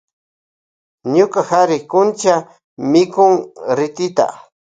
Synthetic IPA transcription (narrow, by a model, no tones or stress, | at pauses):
ɲʊkahaɾɪkʊnt͡ʃa | mɪkʊŋɾɪt̪ɪt̪a̰